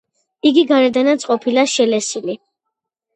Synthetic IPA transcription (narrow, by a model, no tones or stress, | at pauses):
iɡiɡaɾɛd̪anat̪sʼqʼɔpʰilaʃɛlɛsili